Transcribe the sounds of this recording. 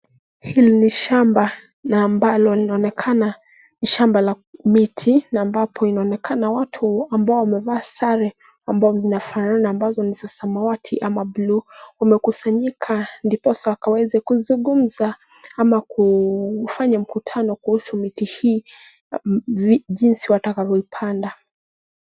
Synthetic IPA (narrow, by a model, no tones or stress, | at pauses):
hiliniʃamba | naːmbalɔlinaɔnɛkʰana | niʃambala | mitʰinaːmbapʰɔinaɔnɛkanawatʰuambaɔwamɛvaːsaɾɛ | ambazɔzinafananaːmbazɔnisasamawatʰiʔamabluwamɛkusaɲikʰandipɔsawakawɛzɛkuzuŋɡum̩za | amakufaɲam̩kutʰanɔkuhusumitihiː | vʄinsiwatakavɔipʰanda